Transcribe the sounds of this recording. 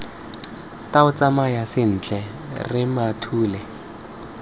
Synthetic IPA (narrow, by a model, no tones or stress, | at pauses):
taʊt͡samajasɪn̩ːt͡ɬʼɛ | rɪmatʰuːlɛ